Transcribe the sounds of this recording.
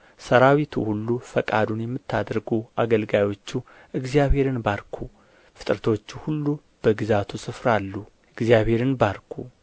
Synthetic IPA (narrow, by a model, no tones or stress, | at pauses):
səɾawit̪ʰṵhulːufəkʼad̪unjɛmːɨt̪ːad̪ɾɡuʔaɡəlɡajwo̞t͡ʃːu | ʔɨɡzjaβhe̞ɾɨnbaɾkʰu | fɨt̪ʼɾət̪ʰo̞t͡ʃːuhulːu | b̥əɡɨzat̪ʰusɨfɾalːu | ɨɡzjaβhe̞ɾɨnbaɾkʰu